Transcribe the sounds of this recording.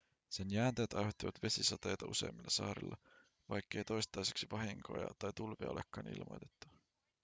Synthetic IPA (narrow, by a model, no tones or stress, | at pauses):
se̞njæːnt̪æjæt̪ɑjhot̪ːiʋɑt̪ʋe̞sisɑt̪e̞jt̪ɑṵse̞̰jmelːɑsɑ̰ːɾḭlːɑ | ʋɑjkːe̞jt̪o̞jst̪ˑɑjseksipɑɦiŋko̞̰jɑ̰t̪ɑjt̪ulviɑolʔḛkːɑːnḭlmo̰jt̪et̪ːu̥